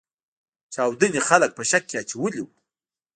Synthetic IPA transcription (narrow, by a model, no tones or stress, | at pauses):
t͡ʃɑwd̪ənixalək̚pəʃakːeat͡ʃawəliwu